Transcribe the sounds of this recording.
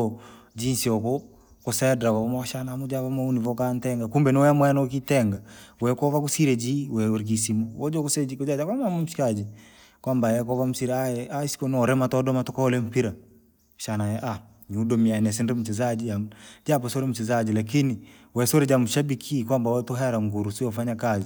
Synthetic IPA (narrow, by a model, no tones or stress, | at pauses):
d͡ʒinsiɔkɔ | kʊsɛdɾakaamaʃanamud͡ʒapamaunivɔkantɛŋɡakumbɛniwɛamwanɔkitɛŋɡawɛkɔvakusiɾed͡ʒiwɛoɾk̬isimood͡ʒɔkused͡ʒikʊd͡ʒad͡ʒakwamamamʃkad͡ʒi | kwambajɛkɔvamusiɾɛaɛaisi̥kɔnɔɾɛmatɔdɔmatɔkaɔlɛm̩piɾa | ʃanajɛʔa | ɲudɔmianɛs̬indɛm̩ut͡ʃɛzad͡ʒijamd͡ʒap̬ɛsoɾemusɛzad͡ʒilak̬ini | wɛsoɾɛd͡ʒamuʃabikʰikwambawɛtoɦaɾaŋɡuɾusujɔfaɲakazi